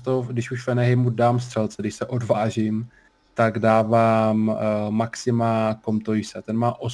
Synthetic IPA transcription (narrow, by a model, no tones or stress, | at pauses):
t̪odɪʃuʃvɛnɛɦɪmudaːms̬t̪r̥ɛlt͡sɛdɪʃsɛʔo̞dvaːʒɪm | t̪aɡdaːvaːmːaksɪmako̞mt̪ojɪsɛt̪ɛnmaːʔo